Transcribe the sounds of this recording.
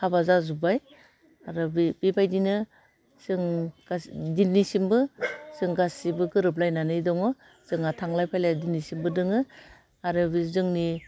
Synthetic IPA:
habazazubaj | aɾɯbbibajdinɯ | sɯŋasdinːisimbɯsɯŋɡasibɯɡɯɾɯp̬̚lajnanɯjdɔŋɔ | z̥ɯŋatʰaŋlajpʰajlajdinːisimbɯdɯŋɯ | aɾɯbizɯŋni

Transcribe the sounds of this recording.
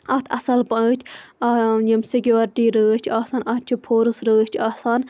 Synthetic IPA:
ɐt̪ʰɐsɐlpɐt͡ʃ̪ʲʰ | jɐmsekʲjuːɾʈiːɾəːt͡ʃʰaːsaːnɐt̪̚t͡ʃʰipʰoːɾɨsɾəːt͡ʃʰaːsaːn

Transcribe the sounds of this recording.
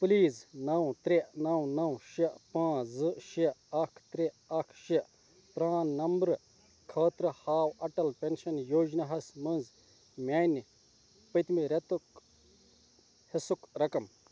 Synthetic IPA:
pliːznɐwt̪ɾeʔnɐwnɐwʃiʔpãːzɨʃiʔɐkʰt̪ɾe | ɐkʰʃiʔ | pɾaːnːɐmbɾɨ | kʰɐːt̪ɾɐhaːwɐʈɐlpenʃɐnjoːd͡ʒnɐɦɐsmɐnz | mʲaːn | pɐt̪miɾet̪uk | hesukɾɐkɐm

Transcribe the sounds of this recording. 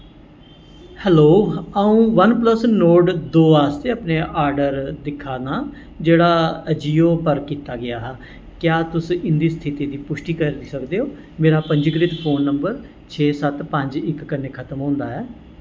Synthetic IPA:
hɛːloːaːũːʋənpləsnoːʈd̪oːaːst̪eːaːpneːʔaːɾɖəɾd̪ɪkʰːaːnaː | d͡ʒeːɽaːəd͡ʒiːoːpəɾkiːt̪aːɡɪjaːɦɛː | kjaːt̪ʊsɪnd̪iːst̪ʰɪt̪iːd̪iːpʊʃʈiːkəɾd̪iːsəkd̪eːɦoː | meːɾaːpəɲd͡ʒɡɾɪt̪pʰoːnːəmbəɾ | t͡ʃʰeːsət̪pə̃ɲd͡ʒɪkːəneːkʰət̪əmɦõːnd̪aːɦɛː

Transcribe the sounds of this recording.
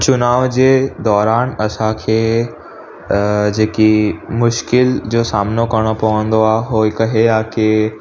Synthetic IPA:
t͡ɕʊnaːʋd͡ʑeːd̪ɔːɾaːnɐsãkʰeː | d͡ʑeːkimʊʃkɪld͡ʑoːsaːmnokɐɾɽ̃opɐʋə̃nd̪oaːɦeɦoːikɐɦeaːke

